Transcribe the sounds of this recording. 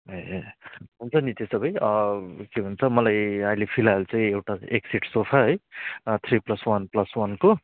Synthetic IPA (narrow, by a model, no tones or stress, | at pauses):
ɦʌ | ɦunt͡sʰʌnit̪esʌbʌjʌkeɦunt͡sʰʌmʌlajailepʰilajlt͡saĩewʈaeksiʈsopʰʌɦʌjt̪ʰriplʌswʌnplʌswʌnko